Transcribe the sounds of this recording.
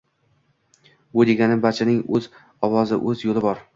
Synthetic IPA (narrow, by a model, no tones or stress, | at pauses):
bʊd̪eɡʲanɪbat͡ʃʰanɪŋɵz | ɒwɒzɪ̰ʔɵzjolɪbɒɾ